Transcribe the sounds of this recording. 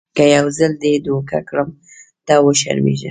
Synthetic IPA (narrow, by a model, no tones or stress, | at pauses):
kəjawzəld̪ed̪oka̰kɽəm | d̪̥ɑwəʃa̰ɾmḛʒə̰